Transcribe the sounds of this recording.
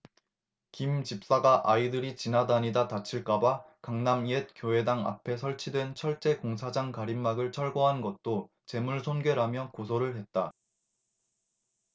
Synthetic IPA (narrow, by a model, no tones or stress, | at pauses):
kimt͡ɕip̚s͈aɡaʔaidɯɾit͡ɕinadaɲidatat͡ɕʰiɭk͈aba | kaŋnamiet̚kjoe̞daŋa̰pʰe̞sʰʌɭt͡ɕʰidwe̞nt͡ɕʰʌɭt͡ɕ͈e̞koŋsʰad͡ʑaŋkaɾimːaɡɯɭt͡ɕʰʌɭɡoɦanɡʌt̚t͈o | t͡ɕe̞muɭsʰonɡe̞ɾamjʌkosʰoɾɯɭɦe̞t̚t͈a